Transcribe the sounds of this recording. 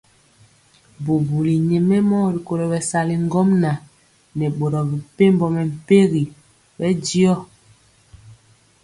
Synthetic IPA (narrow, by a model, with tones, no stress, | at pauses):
bo˨bu˨li˨ɲe˨mɛ˦mɔ˦˨ɾi˨ko˨ɾɔ˨bɛ˨sa˨li˨ŋ˦ɡɔ˦mna˨ | nɛ˨ɓo˨ɾɔ˨bi˨pe˦mbɔ˨mɛ˨m̩˨pe˦ɣi˨ | bɛ˦di˦ɔ˦